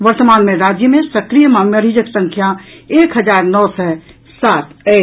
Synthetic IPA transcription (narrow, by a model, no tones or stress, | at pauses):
ʋəɾt̪əmaːnmẽɾaːd͡ʒjəmẽsəkɾijəmãmjəɾid͡ʒəksə̃ŋkʰjaeːkɦəd͡ʒaːɾnɔːsɛ | saːt̪ʰɛ